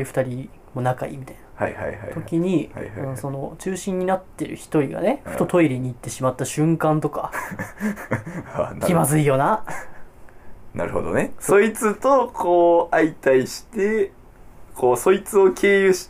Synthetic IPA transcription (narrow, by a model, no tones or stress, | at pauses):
iɸɯ̥t̪aɾʲi | mo̞nakaḭmʲit̪aijnḁha̰ja̰jna̰t̪o̞kʲiɲ̟ia̰ãnso̞no̞t͡ɕɨːɕĩɲ̟ːinat̪ːe̞ɾɯ̟̰çi̥t̪o̞ɾʲiɡa̰neɸɯ̟̥t̪o̞t̪ʰo̞iɾʲeɲ̟iːt̪ːe̞ɕimat̪ːaɕɨ̃ŋkãnt̪o̞ka | aimazɨijo̞ːna | na̰ɾɯ̟ho̰d̪o̰neso̞it͡sɨt̪okʰoːait̪aiɕi̥t̪e̞ | kʰoːso̞it͡sɨo̞kʰe̞ːjɯɕi̥